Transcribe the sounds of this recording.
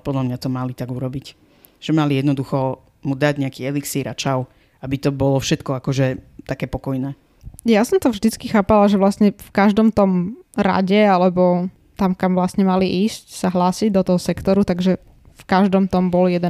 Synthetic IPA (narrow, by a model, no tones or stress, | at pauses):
pɔd̪lamɲat̪ɔmalit̪aɡuɾɔbic | ʒ̥ɛmalijɛd̪nɔd̪uxɔ | mud̪aɟɲɛakiːɛliksiɾʔat͡ʃaʊ | abit̪ɔbɔlɔfʃɛt̪kɔakɔʒɛt̪akɛːpɔkɔjnɛː | jasɔmt̪ɔvʒd̪it͡skixaːpalaʒɛʋlasɲɛfkaʒd̪ɔmt̪ɔmɾa̰ɟɛalɛbɔ | t̪amkamvlasɲɛmaliʔiːscsaɦlaːsiɟd̪ɔt̪ɔɦɔsɛkt̪ɔɾut̪aɡʒɛ | fkaʒd̪ɔmt̪ɔmbɔljɛd̪ɛ